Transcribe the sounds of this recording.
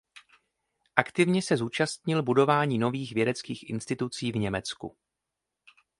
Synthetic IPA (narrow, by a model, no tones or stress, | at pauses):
ʔakt̪ɪvɲɛsɛzuːt͡ʃast̪ɲɪlbudo̞vaːɲiːno̞viːxvjɛdɛt͡skiːxʔɪ̰nst̪ɪt̪ut͡siːvɲɛmɛt͡skṵ